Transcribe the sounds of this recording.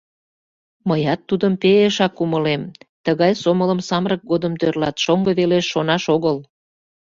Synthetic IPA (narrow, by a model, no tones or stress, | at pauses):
məjɑt̪ːud̪əmpeeʃɑkːuməlemt̪əɣɑjsomələmsɑmrək̚ɡod̪əmt̪ørlɑt̪ʃoŋɡəβeleʃːonɑʃoɣəl